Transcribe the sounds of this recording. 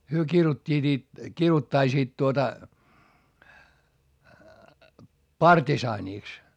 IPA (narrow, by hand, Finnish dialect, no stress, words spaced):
hyø kirutʲːiːt it kirutːɑisiːt tuotɑ pɑrtisɑːniˑks